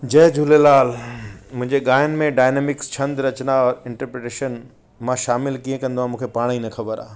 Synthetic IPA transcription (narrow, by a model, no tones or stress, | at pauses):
d͡ʑɐɦd͡ʑʱulelaːlmʊ̃ɦɪ̃ɲd͡ʑeɠaːjənɪ̆mẽɖaːɪneːmɪkst͡ɕʰɐ̃nd̪ɾɐt͡ɕnaɔːɾɪ̃ɳʈəɾpɾeʈeːʃən | mãʃaːmɪlkiːẽkɐ̃nd̪oãːmũːkʰepaːɽ̃inɐxʰɐbəɾa̰ː